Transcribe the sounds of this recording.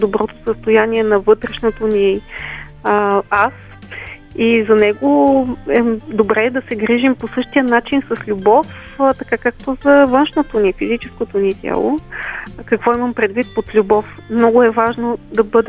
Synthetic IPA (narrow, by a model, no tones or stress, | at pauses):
d̪obɾɔt̪o̥səst̪ojaniɛnɐvɤt̪ɾɛʃnot̪oni | as | izɐnɛɡoɛd̪obɾɛd̪ɐsɛɡɾiʒimposɤʃt̪ijənat͡ʃinsɐslʲubɔf | t̪ɐkakak̚t̪ozɐvɤnʃnot̪onifizit͡ʃɛskot̪onit̪ʲja̰lˠo̰ | kɐkvɔiməmpɾɛd̪vit̪̚pot̪lʲubɔf | mnɔɡʊɛvaʒnod̪ɐbɤd̪ɛ